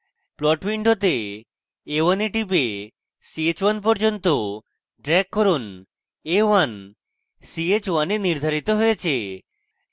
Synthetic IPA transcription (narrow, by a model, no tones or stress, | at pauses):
plɔʈwiɳɖot̪eː | waneʈipe | siet͡ɕwanp̬ɔɾd͡ʑont̪o | ɖɾɛkːɔɾun | ewan | siet͡ɕwaneniɾd̪ʱaɾit̪oɦojet͡ɕʰe